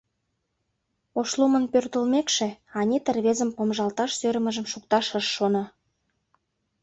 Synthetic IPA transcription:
oʃlumə̆npørt̪ə̆lmekʃeɑnʲit̪ərβezəmpomʒɑlt̪ɑʃsøɾə̆məʒə̆mʃuk̚t̪ɑʃəʃːonɑ

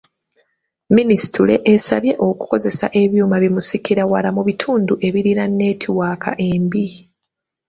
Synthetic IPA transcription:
minisi̥tule̞̰ʔesa̰βje̞ʔo̞ku̥ko̞ze̞sa̰ʔe̞βjuːmaβimusikiɾawalamuβitʰuːnduʔe̞βiɾinanːe̞ːtʰiwaːkʰa̰ʔe̞ːmbi

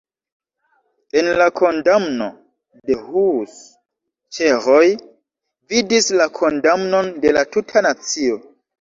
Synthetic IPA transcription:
e̞nlakʰo̞ndamno̞̰ | de̞hus | t͡ʃeɾo̞j | vidislakʰo̞ndamno̞nde̞latutʰanat͡sio̞

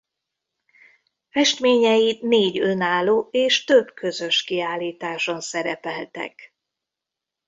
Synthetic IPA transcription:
fɛʃt̪meːɲɛjineːɟønaːloːeːʃt̪øbkʰø̞zø̞ʃkiaːlːiːt̪aːʃo̞nsɛɾɛpɛlt̪ɛ̰k

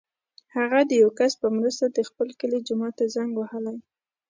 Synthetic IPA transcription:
haɣad̪əjawkaspəmɾəst̪ad̪əxpəlkəled͡ʒʊmɑt̪ːazaŋɡwahəlaj

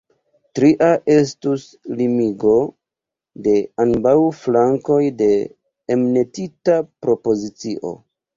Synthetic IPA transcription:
tɾiʔaʔe̞s̬tus | limiɡo̞ | de̞anbawflaŋko̞jde̞ː | mne̞titapɾo̞po̞zit͡siʔo̞̰

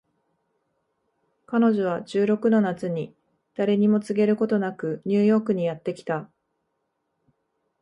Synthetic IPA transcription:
kano̞ʑo̞β̞ad͡ʑɨːɾo̞kɯ̟no̞nat͡sɨɲ̟i | d̪̥aɾe̞ɲ̟imo̞t͡sɨɡe̞ɾɯ̟ko̞t̪o̞nakɯ̟ɲ̟ɨːjo̞ːkɯ̟ɲ̟ijat̪ːe̞kʲi̥t̪a

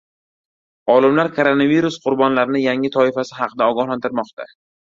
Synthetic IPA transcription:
ɒlɪmlaɾkʰoɾo̞naviɾusqʰʊɾbɒnlaɾɪnɪjaŋɪt̪ʰɒɪfasɪhɑqʰɨd̪aɒɡɒhlant̪ʰɪɾmɒqt̪ʰa̰

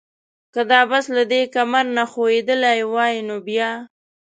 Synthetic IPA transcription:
kad̪ɑbaslad̪ekamaɾnaxoed̪əlajwɑjinobjɑ

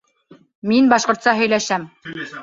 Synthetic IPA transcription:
minbɑʃqŏɾt̪sɑɦɵ̆jlæʃæm

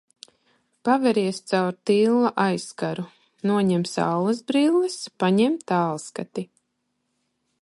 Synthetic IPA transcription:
pavɛɾiɛst̪sawɾt̪iːlˠːaʔajskaɾu | nuɔɲɛmsa̰wlˠɐzbɾiːlˠːɛspaɲɛmt̪ːaːlˠskat̪i

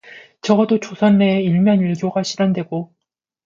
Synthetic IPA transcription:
t͡ɕʌɡʌdot͡ɕosʰʌnːeiɭmjʌniɭɡjoɡaɕʰidandwe̞ɡo

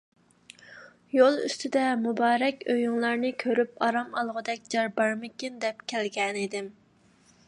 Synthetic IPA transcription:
jolˠy̰st̪ʰɪd̪ɛmubɑːɾɛkʲøjyŋlˠɑɾnɪkʲʰøɾypɑɾɑmɑlˠʁəd̪ɛk̚ʲd͡ʒɑɾbɑɾmɪkʲind̪ɛp̚kʲʰɛlɡʲɛnid̪ɪm

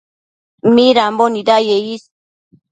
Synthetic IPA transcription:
miɾambonidajeis

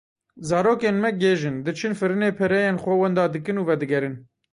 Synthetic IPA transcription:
zɑːɾoːkeːnmɛɡeːʒɨnd̪ɨt͡ʃʰɨnfɨɾɨneːpʰɛɾɛjeːnxʷɛwɛnd̪ɑːd̪ɨkɨnuːvɛd̪ɨɡɛɾɨn

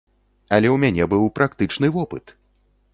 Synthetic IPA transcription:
ɐlʲɛwmʲanʲɛbɨwpɾʔakt̪ɨt͡ʂnɨvɔpɨ̰t̪

